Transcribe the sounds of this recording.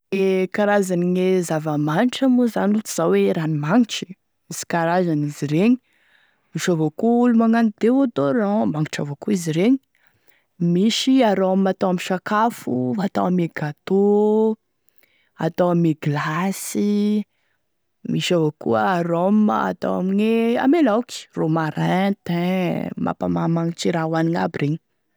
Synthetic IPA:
ekaɾazaninezavəmaniʈ͡ʂəmuzanut̪iz̥aweɾanimaŋiʈ͡ʂi̥ | miz̥i̥kaɾazaniziɾeɲi̥ | miʃavokuulumaŋanid̪ewad̪oɾamaŋiʈ͡ʂavakuiziɾeɲi | miʃiaɾoammat̪awamiʃakafuat̪awameɡat̪o | a̰t̪awamiɡlasi | miʃavokṵəaɾoma̰t̪o̰wa̰minea̰melawki̥romaɾɛ̃t̪ɛ̃mʔa̰pa̰mamaŋiʈ͡ʂiɾawaniŋabireɲi̥

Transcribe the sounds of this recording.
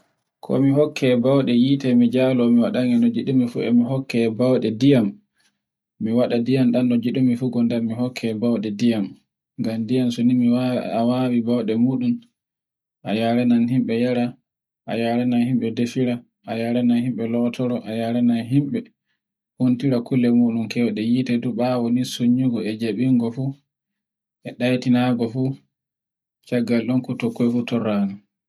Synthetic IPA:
kʰɔ̰miɦɔkʰːɛbawɗɛjitɛmid͡ʒalɔmiwaɗaŋɛnɔd͡ʒiɗumifṵɛ̰miɦɔkːɛbawɗɛdijamː | iwaɗadijamɗanːɔd͡ʒiɗumifuɡɔndamihɔkʰːɛbawɗɛdijam | ɡamdijamsonimiawawibawɗɛmuɗum | ʔajaɾɛnanhimɓɛjaɾa | ʔa̰jaɾɛnanhimɓɛdefiɾa | ʔajaɾɛnanhimɓɛlɔtʰɔɾɔʔajaɾɛnanɦimɓɛ | huntiɾakulːɛmuːɗumkɛwɗɛjitɛduɓawɔnisoɲːuɡɔɛd͡ʒaɓiŋɡɔfu | ʔɛɗajtinaɡɔfu | t͡ʃaɡːalɗɔnkutɔkːɔjfutɔrːaːnɔ

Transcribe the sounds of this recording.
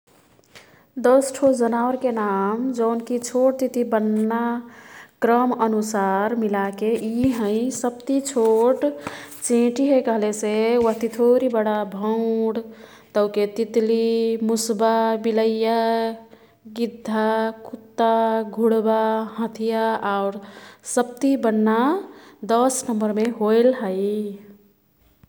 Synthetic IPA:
d̪əsʈʰod͡ʒənaʊɾkenamd͡ʒəʊnkit͡ʃʰoʈ̚t̪it̪ibənːa | kɾəmənusaɾmilakeʔiɦə̃ɪ̃səb̚t̪it͡ʃʰoʈt͡ʃẽʈiɦekəɦlesewəɦt̪it̪ʰoɾibəɽabʱəʊɽ | t̪əʊket̪it̪limusbabiləja | ɡid̪ʱːakʰut̪ːaɡʱuɽbaɦə̃t̪ʰijaaʊɾsəb̚t̪ibənːad̪əsnəmbəɾmeɦojlɦəɪ

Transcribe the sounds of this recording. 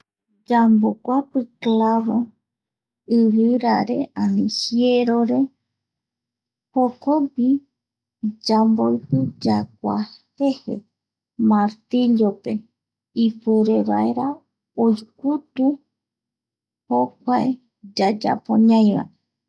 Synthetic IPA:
d͡ʒambokʷapɨklaβo | ɨɾɨɾaɾe̞ãnĩhjeɾoɾe̞ | hokobi | d͡ʒambojpɨd͡ʒak̚ʷa̰hehḛ | maɾt̪iʎope̞ | ipeɾeβa̰eɾa | ojkʷut̪u | hok̚ʷae | d͡ʒad͡ʒa̰põɲãj̃ʋa̰e

